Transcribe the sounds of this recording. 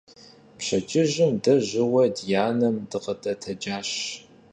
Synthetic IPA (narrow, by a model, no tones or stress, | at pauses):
pɕɐt͡ʃʼɪʑɪmdɐʑɪwɐdjaːnɐmdɨqətʼɐtʰɐd͡ʒaːɕ